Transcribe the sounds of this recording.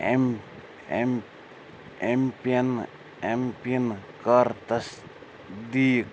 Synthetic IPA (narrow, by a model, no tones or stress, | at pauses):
em | m | empiɐn | empinkəɾt̪ɐs | d̪iːk